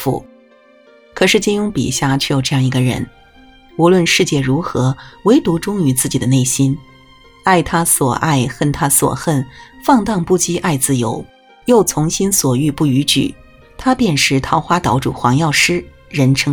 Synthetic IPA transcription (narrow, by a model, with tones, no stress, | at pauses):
fṵ˥˩ | kʰɤ˨˩ʂɻ̩˥˩t͡ɕi˥˩njʊ˥ŋpḭ˨˩ɕja˥˩t͡ɕʰy˥˩jo˨˩ʊʈ͡ʂɤ˥˧jɑ˥˩ŋi˧˥ɡə˧ɻə̰˧˥n | u˧˥lwə˥˧nʂɻ̩˥˧t͡ɕjɛ˥˩ɻu˧˥xɤ˧˥we˧˥ɪt̪u˧˥ʈ͡ʂʊ˥ŋy˧˥t͡sɹ̩˥˩t͡ɕi˨˩d̪ə˦ne˥˩ɪɕi˥n | a˥˩ɪt̪ʰa˥swɔ̰˨˩ʔa˥˧ɪxə˥˩nt̪ʰa˥swɔ̰˨˩xə˥˩nfɑ˥˧ŋt̪ɑ˥˧ŋpu˥˩t͡ɕi˥ʔa˥˧ɪt͡sɹ̩˥˧jo˧˥ʊ | jo˥˩ʊt͡sʰʊ˧˥ŋɕi˥nswɔ˨˩y˥˧pu˥˩y˧˥t͡ɕy̰˨˩˦ | t̪ʰa˥pjɛ˥˧nʂɻ̩˧˥t̪ʰɑ˧˥ʊxwa˥t̪ɑ˧˥ʊʈ͡ʂṵ˨˩xwɑ˧˥ŋjɑ˥˩ʊʂɻ̩˥ | ɻə˧˥nʈ͡ʂʰɤ˥ŋ